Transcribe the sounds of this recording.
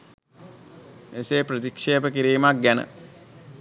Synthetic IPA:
eseːpɾət̪ikʂeːpəkiɾiːmak̚ɡænə̰

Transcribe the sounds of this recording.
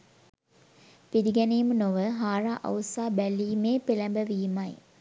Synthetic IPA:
pidiɡɛnijmnoʋəɦaːɾaːʔɐ̰ʋsaːbæliːmeːpelæmbəʋijmɐj

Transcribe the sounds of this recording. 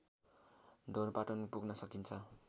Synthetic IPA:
dʱorpaʈʌnpuɡnʌsʌkint͡sʰʌ

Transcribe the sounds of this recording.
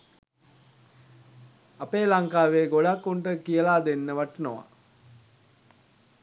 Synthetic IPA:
ɐpeːlaŋkaːʋeːɡoɽakːuɳʈəkijəlaːd̪enːəʋaʈnoʋa̰

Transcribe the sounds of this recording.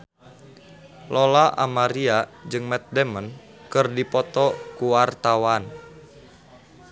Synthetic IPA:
lɔlaʔa̰maɾiad͡ʒɨŋmɛt̪̚dɛmən | kɨrdipɔt̪ɔkuwart̪awan

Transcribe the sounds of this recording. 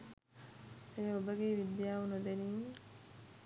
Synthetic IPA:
eobəɡeːʋid̪jaːunod̪eniː

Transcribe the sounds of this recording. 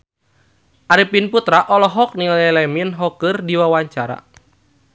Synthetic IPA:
ʔaɾipinput̪ɾaʔɔlɔɦɔk̚nilɛlɛminɦɔkɨrdiwawaɲt͡ʃaɾa̰

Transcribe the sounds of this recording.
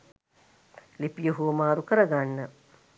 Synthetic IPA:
lipijuɦumaːɾukəɾəɡanːə

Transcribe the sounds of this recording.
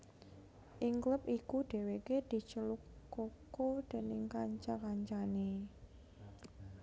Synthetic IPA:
ʔɪŋkləp̚ʔikuɖ̪̥e̤weked̪̥i̤t͡ʃəlukːokod̪̥e̤nɪŋkaɲt͡ʃakaɲt͡ʃane

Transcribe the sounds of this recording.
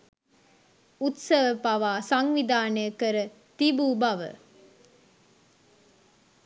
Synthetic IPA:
ut̪səʋəpaʋaːsaŋʋid̪aːnəjəkəɾə | t̪ibubɐʋə̰

